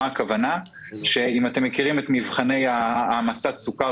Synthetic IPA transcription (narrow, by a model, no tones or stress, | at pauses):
kavana | ʃe̞imate̞mːekiʁimet̪mivχane̞jaːmasat̪suka